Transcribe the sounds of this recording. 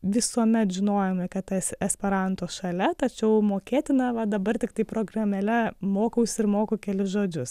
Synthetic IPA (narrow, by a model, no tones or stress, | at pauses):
ʋʲɪsuɔmʲɛt̪ʒʲɪnoːjɛmʲɪkɐt̪ɛsɛsʲpʲɛɾɐnt̪oːsʃɐlʲɛt̪ɐt͡ʃʲɛʊmoːkʲeːt̪ʲɪnɐʋɐd̪ɐbɐrt̪ʲɪkt̪ɐɪpɾoːɡrɐmʲɛlʲɛmoːkɐʊsʲɪɾmoːkoːkʲɛlʲɪsʒoːd͡ʒʲʊs